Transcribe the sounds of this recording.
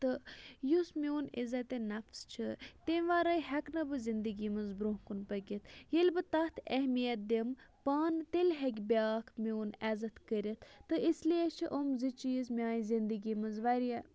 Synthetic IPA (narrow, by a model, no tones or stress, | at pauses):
t̪ɨjusmʲwnḭzɐt̪enɐfst͡ʃʰɨt̪eʋaːɾɐjɦɛknɐbɨzind̪əɡimɐnzbɾuɦkunpɐɡʲit̪ʰjelʲbɨt̪ɐt̪ʰɛhmijɐt̪̚d̪empaːnt̪elʲɦɛkʲbʲaːkʰmuːnɛːzɐt̪kəɾʲit̪ʰt̪ːɨisliet͡ʃʰiʔomzit͡ʃismʲaːjizind̪ɨɡimɨnzʋaɾiɛ